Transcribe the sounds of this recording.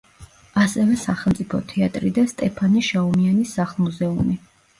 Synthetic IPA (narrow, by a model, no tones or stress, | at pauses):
asɛvɛsaχɛlˠmt̪sʼipʰɔ̰t̪ʰɛat̪ʼɾid̪ast̪ʼɛpʰaniʃaɔmianisaχlˠmuzɛumi